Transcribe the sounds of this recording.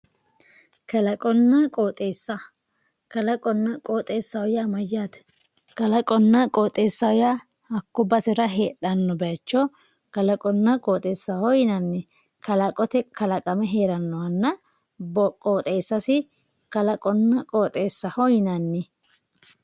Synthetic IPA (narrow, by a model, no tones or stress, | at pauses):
kɐlɐkʼɔnːɐkʼoːt̪ʼe̞ːsːɐ | kɐlɐkʼɔnːɐkʼoːt̪ʼe̞ːsːɐwʊjɐmɐjaːt̪ | kɐlɐkʼɔnːɐkʼoːt̪ʼe̞ːsːɐwʊja | hɐkːʊbɐsɪɾɐɦeːᶑɐnːɔbɛɐt͡ʃːɔ | kɐlɐkʼɔnːɐkʼoːt̪ʼe̞ːsːɐhɔjɪnɐnːɛ | kɐlɐkʼɔt̪ɛkɐlɐkʼɐmɛɦe̞ːɾɐnːɔwɐnːɐ | bkʼoːt̪ʼe̞ːsːɐsɪ | kɐlɐkʼɔnːɐkʼoːt̪ʼe̞ːsːɐhɔjɪnɐnːɛ